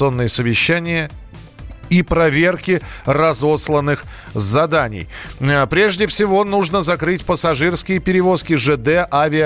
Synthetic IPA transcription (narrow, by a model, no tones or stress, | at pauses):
ɨo̞nːɨjəsəvʲɪɕːænʲɪjə | ipɾɐvʲe̞rkʲɪrɐzo̞slˠənːɨx | zɐd̪anʲɪ̰j | pɾʲe̞ʐdʲɪfsʲɪvo̞nuʐnəzɐkɾɨtʲpəsɐʐɨrskʲɪjəpʲɪɾʲɪvo̞skʲɪʐɛd̪ɛʔavʲɪə